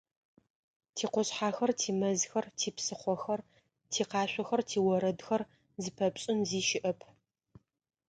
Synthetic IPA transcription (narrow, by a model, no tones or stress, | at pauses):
tʰiːqʷɔɕħaːxɐrtʰiːmɐzxɐrtʰiːpsɨχʷɔxɐr | tʰiːqɑːɕʷɔxɐrtʰiːwɐɾɐdxɐr | zɨpʰɐpɕʼɪnziːʃɪʔɐpʰ